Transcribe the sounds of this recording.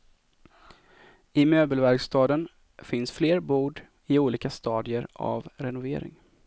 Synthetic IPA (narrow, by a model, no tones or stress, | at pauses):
ɪmøːbəlvæɾɡst̪ɑːd̪ən | fɪnsfleːɾbuːɖ | ɪuːliːkast̪ɑːd̪ɪəɾa̰vɾɛnʊvḛːɾɪ̰ŋ